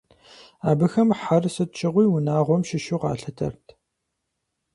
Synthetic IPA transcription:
aːbɨxɐmħarsɨt̚t͡ʃʰɪʁʷijwʊnaːʁʷɔmʃɪʃuqɑ̰ːɬɨtʰɐ̰rtʰ

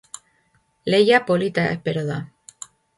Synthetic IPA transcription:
lejapolit̪aḛhpeɾoða

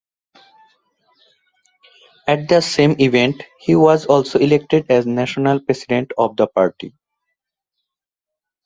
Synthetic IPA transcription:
ɛʈ̚d̪əsẽːmiʋẽɳʈhiwɔzɔːlsoilek̚ʈeɖɛznæʃonəlpɾesiɖẽɳʈɔʋd̪əpaːɾʈḭ

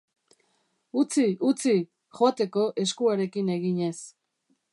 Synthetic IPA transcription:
ut͡siut͡si | xoat̪e̞ko̞ʔe̞skuaɾe̞kine̞ɣiɲe̞s

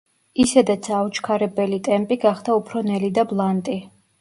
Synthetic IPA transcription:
isɛd̪at̪sʰaut͡ʃʰkʰaɾɛbɛlit̪ʼɛmpʼiɡaχd̪aupʰɾɔnɛlid̪ablˠant̪ʼi

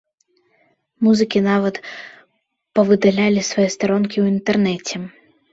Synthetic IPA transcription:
muzɨkʲinavɐt̪ | pɐvɨd̪alʲalʲisvɐjɛst̪aɾɔnkʲiwint̪ɛrnɛt͡sʲɛ

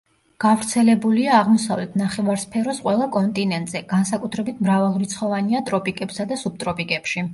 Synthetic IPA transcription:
ɡ̥avɾt̪sʰɛlɛbuliaːʁmɔsa̰vlɛt̪ʰnaχɛvaɾspʰɛɾɔsqʼwɛlˠakʼɔnt̪ʼinɛnt̪ʼz̥ɛɡ̥ansakʼut̪ʰɾɛbit̪ʰmɾavalˠɾit̪sʰχɔvaniat̪ʼɾɔpʼikʼɛpsad̪asub̚t̪ʼɾɔpʼikʼɛpʃi

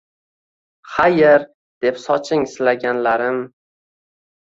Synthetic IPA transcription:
χajɪɾ | d̪̥e̞psɒt͡ʃʰɪŋsɪlaɡʲanlaɾɪm

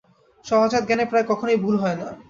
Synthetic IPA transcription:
ʃɔɦod͡ʑat̪̚ɡɛnepɾaekɔkʰonojbʱulɦɔena

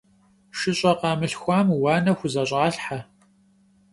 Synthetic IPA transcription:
ʃɪɕʼɐqɑːmɨɬxʷaːmwɑːnɐxʷʊzɐɕʼaːɬħa

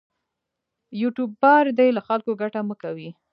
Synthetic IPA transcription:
juʈub̚ːɑɾd̪ajlaxalkoɡaʈaməkawi

